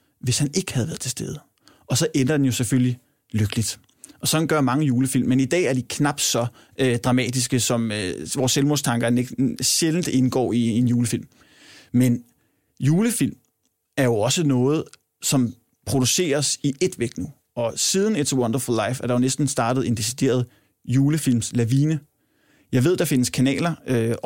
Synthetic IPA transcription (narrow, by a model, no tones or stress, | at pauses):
ʋe̝shæne̝ɡ̥ə̥hæð̞̩ˠʋæɐð̩ˠt͡sʰe̝̥sd̥eð̞ˠ | ɒ̽sɒ̽ʔenɐd̥enjo̝sefølli | løɡ̥əlid̥ | ʔɒ̽sɒ̽d̥n̩ɡ̥ɶɐmɑ̈ŋəjuːləfil̰mːenid̥ɛ̰ːæɐd̥ikʰnɑ̈b̥d̥sɒ̽ | ød̥ʁɑ̈mɛ̰ːd̥isɡ̥əsɒ̽møʋɒːsːelmost͡sʰɑ̈ŋɡ̥ɐneɡ̥ɕeln̩d̥e̝nɡ̥ɒ̰ːie̝njuːləfil̰mː | en | juːləfil̰m | æɐjo̝ɒ̽sənɔ̽ːð̞̩ˠ | sɒ̽m | pʰʁo̝d̥use̝̰ːɐsiʔe̝d̥ʋeɡ̥nu | ɒ̽sið̞ˠn̩ed̥swɔnd̥ɐfulˠlɑ̈ɪfæɐd̥ɑ̈jo̝nesd̥n̩sd̥ɑ̈ːd̥ð̩ˠe̝nd̥e̝sid̥e̝̰ːɐð̞̩ˠ | juːləfil̰mslæʋiːnə | jɑ̈ɪʋe̝ð̞̰ˠd̥ɑ̈fe̝nəskʰænɛ̰ːlɐø